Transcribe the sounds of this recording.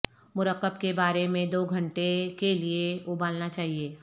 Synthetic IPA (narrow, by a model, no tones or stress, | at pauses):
mʊɾəqːəbkebaːɾemẽd̪oːɡʱɐ̃ɳʈekelieʊbaːlnat͡ʃaːɦieː